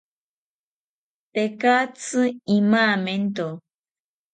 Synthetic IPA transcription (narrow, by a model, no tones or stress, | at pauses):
t̪ekat͡sɨimaːment̪o